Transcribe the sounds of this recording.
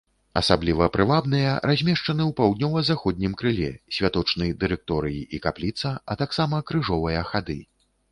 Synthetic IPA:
ɐ̰sablʲivɐpɾɨvabn̪ɨjɐɾʔazʲmʲɛʂt͡ʂɐnɨwpawd̪nʲɔvɐzaxɔd̪̚ʲnʲimkɾɨlʲɛ̰sʲvʲat̪ɔt͡ʂnɨjd̪ɨɾɛk̚t̪ɔɾɨjiʔikaplʲit̪sɐɐt̪aksamɐkɾɨʐɔvɐjɐxad̪ɨ̰

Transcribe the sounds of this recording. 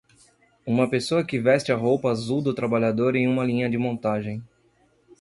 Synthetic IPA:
ũmɐpesoɐkɪvɛst͡ʃɪɐɦowpɐːzuwd̪ʊt̪ɾabaʎad̪oɾẽj̃ũmɐlĩɲɐd͡ʒɪmõnt̪aʒẽj̃

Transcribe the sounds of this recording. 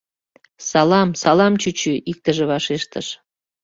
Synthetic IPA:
sɑlɑmsɑlɑmt͡ɕyt͡ɕyʔik̚t̪əʒeβɑʃeʃt̪əʃ

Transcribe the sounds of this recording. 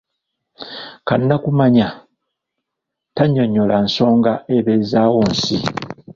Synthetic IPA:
kanːakumaɲa | taɲːo̞ɲːolanso̞ːŋɡaeβezaːwoːnsi

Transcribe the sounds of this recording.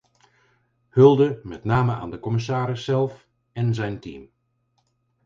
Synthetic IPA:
hɵlˠdəmɛtnaːməa̰ːndəkɔmɪs̬aːɾɪsːɛlˠf | ɛnzɛjntḭm

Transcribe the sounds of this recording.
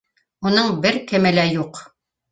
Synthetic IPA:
unɤɴbɘɾkɘ̆mɘ̆læjuq

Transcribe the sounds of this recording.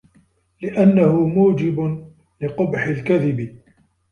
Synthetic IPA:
lɪʔanːahʊmuːd͡ʒɪbʊ | lɪqʊbħɪlkaðɪbɪ

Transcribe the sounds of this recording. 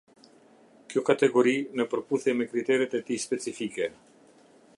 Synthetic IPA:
kjɔkat̪ɛɡɔɾinəpəɾpuθjɛmɛkɾit̪ɛɾɛt̪ɛt̪ispɛt͡sifikɛ

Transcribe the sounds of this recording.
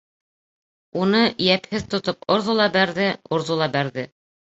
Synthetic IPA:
unɤjæphɘðt̪ŏt̪opŏɾðulˠɑbæɾðɘŏɾðulˠɑbæɾðɘ

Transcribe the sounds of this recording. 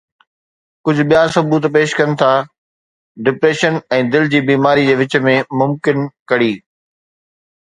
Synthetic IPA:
kʊd͡ʑʱʊ̆ɓijasɐbuːt̪peːʃkɐnɪ̆t̪ʰaː | ɖɪpɾeːʃənɛ̃ːd̪ɪld͡ʑiːbiːmaːɾid͡ʑeːʋɪt͡ɕə̆mẽmʊmkɪnkɐɽiː

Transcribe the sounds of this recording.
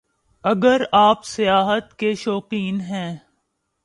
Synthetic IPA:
ɐɡəɾaːpsɪjaːɦət̪keʃɔːqiːnɦɛ̃ː

